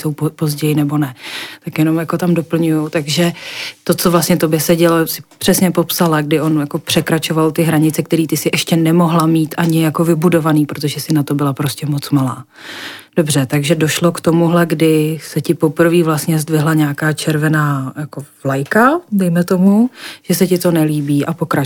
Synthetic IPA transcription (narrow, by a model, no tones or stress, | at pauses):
sowppo̞zɟɛjɪnɛbo̞nɛt̪akjɛno̞mjako̞t̪amdo̞pl̩ɲujut̪aɡʒɛt̪o̞t͡so̞vlast̪ɲɛt̪o̞bjɛsɛɟɛlosɪ̥pr̝̥ɛsɲɛpo̞psalaɡ̚dɪʔo̞njako̞pr̥ɛkɾat͡ʃo̞valt̪ɪɦɾaɲɪt͡sɛkt̪ɛɾiːt̪ɪsɪʔɛʃcɛnɛmoɦlamiːt̪ʔaɲɪjako̞vɪbudo̞vaniːpɾot̪̬o̞ʒɛsɪnat̪o̞bɪlapɾo̞scɛmo̞t͡smalaː | d̥o̞br̝̥ɛt̪aɡʒɛdoʃlokt̪o̞muɦlɛɡdɪsɛcɪpopr̩viːvlast̪ɲɛzdvɪɦlaɲaːkaːt͡ʃɛɾvɛnaːjakovlajkadɛjmɛt̪o̞muʒ̥ɛsɛcɪt̪o̞nɛliːbiːʔapo̞kɾa